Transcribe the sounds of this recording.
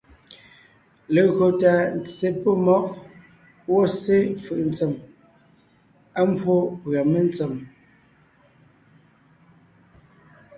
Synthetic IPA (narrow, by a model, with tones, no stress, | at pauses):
le˨ɣo˨ta˨n̩˨t͡sːe˨po˦mɔ˦k̚ | wɔ˦˨se˦fɯ˨ʔn̩˦t͡se˨m | a˦m˦bwo˦pɰa˨me˦n˦t͡se˨m